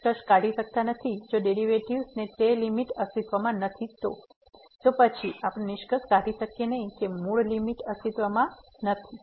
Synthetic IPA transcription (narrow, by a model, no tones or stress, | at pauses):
kəʃkaɽiʃək̚t̪anət̪ʰid͡ʒoɖeɾiʋeʈiʋsnet̪elimiʈəst̪it̪ʋamãnət̪ʰit̪o̰ | t̪opət͡ʃʰiapnenɪʃkəskaɽiʃəkjenəɦikemuɭlimiʈəst̪it̪ʋamã | nət̪ʰi